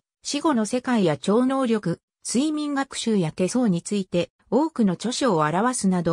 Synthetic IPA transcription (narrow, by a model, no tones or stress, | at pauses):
ɕiɡo̞no̞se̞kaijat͡ɕo̞ːno̞ːɾʲo̞kɯ̟ | t͡sɨimʲĩŋɡakɯ̟̥ɕɨːjat̪ːe̞so̞ːɲ̟it͡sɨit̪e̞ | o̞ːkɯ̟no̞t͡ɕo̞ɕioaɾaβasɨnad̪o̞